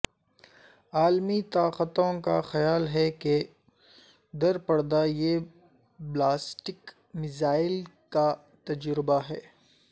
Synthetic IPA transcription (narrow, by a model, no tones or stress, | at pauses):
aːlmit̪aːqət̪õka̰xɐjaːlɦɛke | d̪ɐɾpɐɽd̪aje | blaːsʈɪk | mɪzaːɪlka | t̪ɐd͡ʒɾɪbaɦɛː